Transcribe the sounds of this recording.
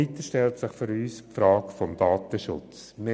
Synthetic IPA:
it̪əʃtɛltsɪχfʏɾyːspfɾɑːkfɔmd̥ɑːt̪əʃʊ̰t͡s | me

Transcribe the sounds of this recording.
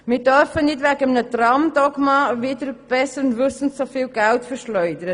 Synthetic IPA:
mɪːɾdœɾfənɪtvæɡəmnətrɑmdɔɡmɑvɪdəɾb̥ɛsəɾnʋʏsən̩tsofiːlɡæltfəɾʃlœʏdəɾə

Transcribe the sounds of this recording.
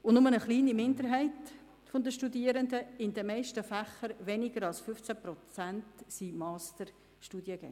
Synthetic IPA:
ʊnʊmənəχliːnimɪndəɾɦæɪt | fond̪əʃtudiəɾənd̪əɪnd̪əmɛɪʃtəfæχəɾʋɛnɪɡəɾɑlsfʏft͡sæpɾɔt͡sæntsimɑːstəɾ | ʃtuːdjəɡɛ̰ŋ

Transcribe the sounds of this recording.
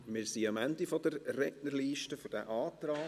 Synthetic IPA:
mɪːɾsiɑmændifɔdəɾːɛɡnərliːʃtəfɔɾd̥æ̰ʔɑːtɾɑː

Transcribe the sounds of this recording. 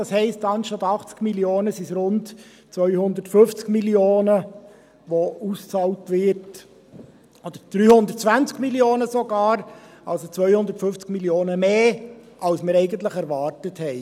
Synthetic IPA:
d̥ɑshɛɪstɑnʃtɑt̪ɑχt͡skmiljoːnəsisɾʊnt | t͡sʋœʏhʊnd̪ətfɵft͡skmilioːnə | ʋoust͡sɑːltʋɪɾt | od̥əɾd̪̥ɾyːhʊnd̪ərtt͡sʋænt͡skmiljoːnəsoɡɑːɾʔɑlsot͡sʋœʏhʊnd̪əɾtfʏft͡skmiljoːnəmeːʔɑlsməɾɛɪɡəntləχɛɾʋɑːɾtəthɛɪ

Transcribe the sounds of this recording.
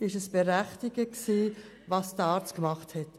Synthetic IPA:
ɪʃəsb̥eɾæχtɪɡəksiː | vɑsdəɑːɾt͡skmɑχthɛt

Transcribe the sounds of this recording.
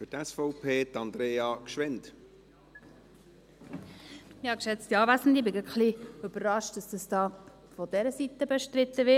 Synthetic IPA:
fytɛsfɔʊpʰeːt̪ɑnd̪ɾeːɑkʃʋɛnt | ɪhɑkʃɛt͡stiɑːvæsn̩dɪbɪɡəχliʏb̥əɾːɑʃt̚d̥ɑsd̥ɑsd̥ɑː | fɔd̥ɛɾəsit̪ːəbɛʃtɾɪt̪ːəʋɪ

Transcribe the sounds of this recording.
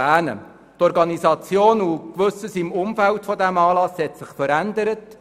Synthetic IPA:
æːnə̰ | tɔɾɡɑnisɑt͡sjoːnukʋɵsəsɪmʊmfæltfɔdæmɑːlɑshɛtsɪχfəɾænd̪əɾət

